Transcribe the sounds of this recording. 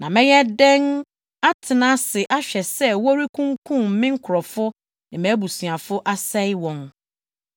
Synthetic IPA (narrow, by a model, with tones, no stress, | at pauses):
nã˨mɛ̃˦jɛ˦dɛ̃˦n | a˦tʰɪ˨nã˦sɪ˨ʔa˦ɕᶣɛ˨sɛ˦wɔ˦ɾi˦kʰũ˦ŋkʰũ˦˨m̩˨mɪ̃˦ŋ̩˦kʰʊ˨ɾɔ˨fʊ˦ | nɪ̃˨mɛ̃˨˦bu˨si˨a˨fʊ˦ʔa˦sɛ˦jwɔ̃˨n